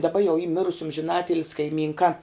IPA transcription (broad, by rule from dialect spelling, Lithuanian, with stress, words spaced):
dɐˈbɐ jɛʊ iː ˈmʲɪrʊs ɐmʲʒʲɪˈnɑːtʲɪlʲɪsʲ kɐɪˈmʲiːŋkɐ